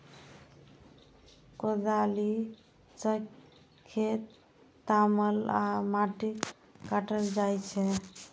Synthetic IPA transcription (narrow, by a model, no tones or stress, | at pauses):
kod̪ali | t͡ʃək | kʰːet̪ː | aməlamaʈik | kaʈəld͡ʒajt͡ʃʰɛ